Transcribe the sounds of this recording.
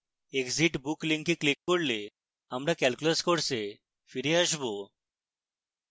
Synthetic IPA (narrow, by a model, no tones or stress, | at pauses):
ekziʈbukliŋkiklikːoɾle | amɾakɛlkulaskoɽse | fiɾeaʃbo